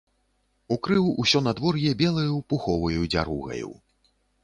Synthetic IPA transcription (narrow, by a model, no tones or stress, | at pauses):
ukɾɨwusʲɔnɐd̪vɔrjɛbʲɛlˠɐjupuxɔvɐjud͡zʲa̰ɾuɣɐ̰jṵ